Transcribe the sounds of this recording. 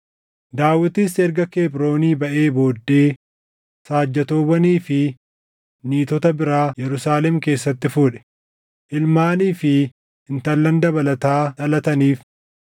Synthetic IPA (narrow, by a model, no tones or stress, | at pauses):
d̪aːwːɪt̪isɛɾɡɐke̞ːbɾo̞ːniːbɐʔe̞ːbo̞ːd̪ːe̞ː | saːd͡ʒːɐt̪o̞ːbɐniːfɪ | niːt̪ɔt̪ɐbɪɾaːjɛɾʊsaːlɛmke̞ːsːɐt̪ːɪfuːᶑɛ̥ | ʔɪlmaːniːfɪ | ɪnt̪ɐlːɐnd̪ɐbɐlɐt̪aːᶑɐlɐt̪ɐniːf